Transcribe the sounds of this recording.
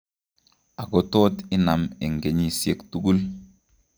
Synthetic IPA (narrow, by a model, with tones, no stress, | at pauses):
a˨ɡɔ˦toː˦ti˦na˨me˨ŋɡe˨ɲi˦sje˦ktu˦ɡu˦l